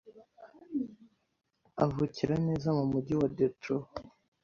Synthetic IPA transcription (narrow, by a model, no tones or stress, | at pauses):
avuciɾane̞ːzamumuɟiwadetɾo